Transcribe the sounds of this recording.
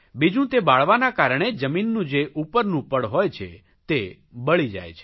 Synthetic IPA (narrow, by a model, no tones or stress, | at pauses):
bid͡ʒũt̪ebaɭʋanakaɾəɳ̃ed͡ʒəminːũd͡ʒeʔupəɾnũpəɽɦojt͡ʃʰḛ | t̪e | bəɭid͡ʒa̰jt͡ʃʰe̥